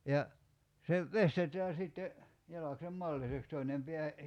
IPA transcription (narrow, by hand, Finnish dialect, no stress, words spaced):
jɑ se ʋestetæː sitːe jɑlɑksem mɑlːiseks toinem pe̝æ